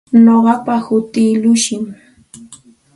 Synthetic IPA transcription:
noɢɑpahʊt̪iːlʊʃɪŋ

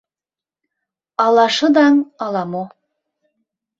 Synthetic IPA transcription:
ɑlˠɑʃɤd̪ɑŋɑlˠɑmu

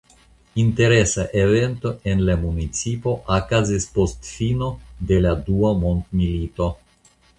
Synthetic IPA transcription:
int̪e̞ɾesaʔevent̪o̞e̞nlamunit͡sipo̞ʔakazispo̞st̪fino̞d̪e̞lad̪uamont̪milit̪o̞

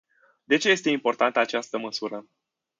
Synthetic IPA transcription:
d̪e̞t͡ʃe̞je̞st̪eimpo̞rt̪ant̪əat͡ʃast̪əməsuɾə

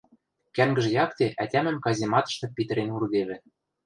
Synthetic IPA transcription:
kæŋɡɘ̆ʒɘ̆jɑkt̪eʔæt̪ʲæmɘ̆mkɑzʲimɑt̪ɤ̥̆ʃt̪ɤ̆pʲit̪ɘ̆ɾenurd̪eβɘ̆

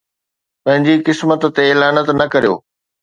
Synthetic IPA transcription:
pɐ̃ɦɪ̃ɲd͡ʑikɪsmət̪t̪eɪlaːnət̪nɐkɐɾijo̰ː

